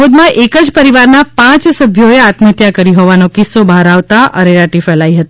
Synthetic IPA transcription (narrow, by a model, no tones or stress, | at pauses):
od̪mãʔekəd͡ʒpəɾiʋaɾnapãt͡ʃsəbʱjoeat̪mət̪jakəɾiɦɔʋanokɪsːobʱaɾaʋt̪aʔə̰ɾeɾaʈifɛlaiɦət̪i